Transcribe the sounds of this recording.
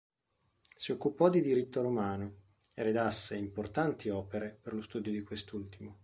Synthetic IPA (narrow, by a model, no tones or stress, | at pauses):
siokːupɔd̪id̪iɾit̪ːoɾomaːno | eɾed̪asːeimport̪ant̪iɔːpeɾeperlost̪uːd̪jod̪ikwest̪ult̪imo